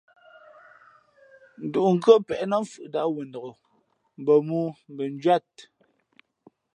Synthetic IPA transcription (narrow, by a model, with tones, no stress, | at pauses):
n̩˨du˨ŋ̩˨ɡə˦pɛ˨ʔnɔ˦ɱfɯ˨ʔda˦ʔwə˨n̩˨dɔ˨o˨ | m̩˨bə˨mu˦m̩˨bə˨n˦d͡ʒɥwa˦˨t̚